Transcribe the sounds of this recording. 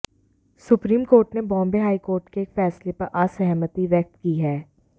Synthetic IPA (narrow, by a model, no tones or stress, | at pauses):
sʊpɾiːmkoːɾʈnebɔ̃ːmbeɦaːikoːɾʈkeːkfɛːslepɐɾʔaːsɛɦmət̪iʋɛk̚t̪̚kiɦɛː